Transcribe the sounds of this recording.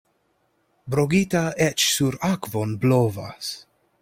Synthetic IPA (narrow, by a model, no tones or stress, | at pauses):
bɾoɡit̪aɛt͡ʃsuɾakvonblova̰s